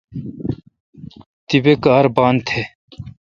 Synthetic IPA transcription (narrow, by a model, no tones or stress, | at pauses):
t̪ibekaːɾbaːnt̪ʰe